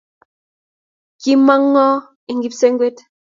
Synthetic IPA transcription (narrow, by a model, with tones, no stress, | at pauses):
ki˦ma˦ŋːɔ˦ | i˨ŋɡi˦pse˦ŋɡwe˦t